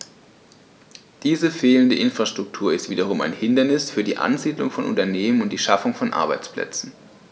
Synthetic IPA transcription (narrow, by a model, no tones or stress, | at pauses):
d̥iːzəfeːləndəʔɪnfʁ̥aʃtʁ̥ʊk̚tʰuːɐɪstv̥iːdɐʁ̞ʊmaɪnhɪndɐnɪsfyːɐdiːʔa̰nziːdlʊŋfɔnʔʊ̰ntɐneːmənʊntd̥iːʃafʊŋfɔnʔa̰ɐbaɪt͡spl̥ɛ̰t͡sn̩